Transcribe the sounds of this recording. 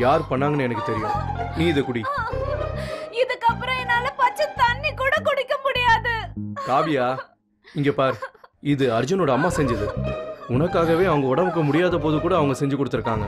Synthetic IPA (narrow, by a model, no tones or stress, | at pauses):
jaːɾpɐɳːaːŋɡɐnːɛnɐkːɯt̪ɛɾɪjʊ̃niːɪðɐkʊɽi | ɪðɯkːɐpːɾɐ̃ɛnːaːlɐpaːt͡ʃːɐt̪ɐnːikuːɽɐkɔɽɪkːɐmʊɽɪjaːðɯkaːbɪjaː | ɪŋɡeːpaːɾɪðɯɐɾd͡ʒʊnoːɽɐɐmːaːsɛɲd͡ʒɐðɯʊnɐkːaːɣɐʋeːɐʋɐŋɡɐɔɽɐmɯk̬ːɯmʊɽɪjaːðɐp̬oːðɯkuːɽɐːʋɐŋɡɐsɛɲd͡ʒɯkɔɽɯt̪ːɯɾɯkːaːŋɡɐ